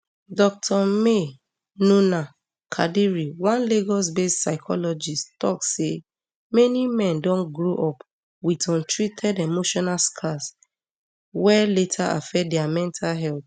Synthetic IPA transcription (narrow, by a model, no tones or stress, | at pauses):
dɔk̚tʰɔme | nuna | kʰa̰diɹiwãnleɡɔs̬bessaɪkʰɔ̰lɔd͡ʒisttɔkse | mɛnimɛ̃ndɔ̃nɡɹoʔɔp | witɔ̃ntɹitʰɛdemoʃɔnalskʰas | wɛletʰaʔa̰fɛdɛamɛ̃ntʰalɦɛlt